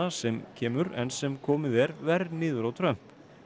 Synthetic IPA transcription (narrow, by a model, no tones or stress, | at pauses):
asɛmcʰɛːmʏɾɛ̰nsɛmkʰɔːmɪðɛɾvɛɾniːðʏɾawt̪ʰɾœm̥